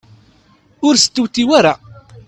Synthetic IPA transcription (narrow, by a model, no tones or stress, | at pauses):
ʊɾsə̥t̪ːuwt̪ːiwaɾa